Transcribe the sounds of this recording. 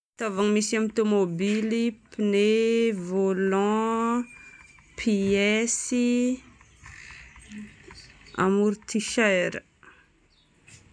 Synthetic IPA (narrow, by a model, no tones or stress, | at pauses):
t̪avaŋimisamt̪omobilipinevolɑ̃ | pʰiɛsi | a̰muɾt̪ʰiʃajɾə